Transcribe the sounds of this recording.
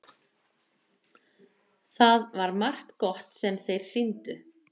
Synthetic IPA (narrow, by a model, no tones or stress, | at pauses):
θaðvaɾmar̥t̪kɔht̪sɛmθejɾ̥sint̪ʏ